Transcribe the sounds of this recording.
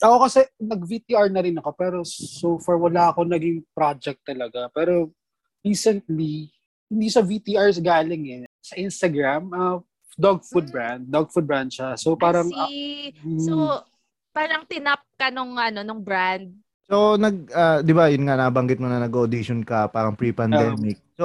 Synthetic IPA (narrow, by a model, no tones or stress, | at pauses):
ʔɐko̞kɐsɛnɐɡ̚vit̪iʔaɹnɐɾɪnɐko̞pɛːɾo̞sowfɐɹwɐlaːʔɐko̞nɐɡɪŋpɾad͡ʒɛk̚t̪ːɐlɐɡapɛːɾo̞ | ɹiːsɛnt̪̚li | hɪnd̪isɐvit̪iʔaɹs̬ɡaːlɪŋɛsɐʔɪnst̪ɐɡɾamʔɐ | d̪oɡ̚fud̪̚bɹand̪̚ːoɡ̚fud̪̚bɾand̪̚ʃasopaːɾɐŋ̩ː | o | paːɾɐŋt̪ɪnɐp̚kɐnoŋʔɐno̞noŋbɹand̪̚ | sonɐɡ̚ʔɐːd̪ɪbajʊnŋanɐbɐŋɡɪt̪̚monɐnɐɡood̪iʃonkɐpaːɾɐŋpɾipɐnd̪ɛːmɪk̚so